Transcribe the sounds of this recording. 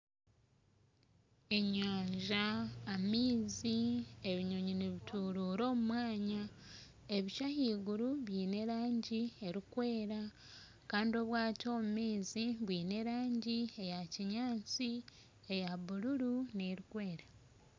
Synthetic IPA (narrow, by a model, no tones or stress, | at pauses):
e̞ɲaːɲʒaːmiːzie̞βiɲo̞ɲiniβitʰuɾuːɾo̞ːmumwaːɲa | e̞βiʃahiːɡuɾuβjiːne̞ɾaːɲɟie̞ɾikwe̞ːɾa | kaːndio̞βwaːto̞ːmumiːziβwiːne̞ɾaːɲɟie̞jaciɲaːt͡si | e̞jaβuluɾuneɾikwe̞ːɾa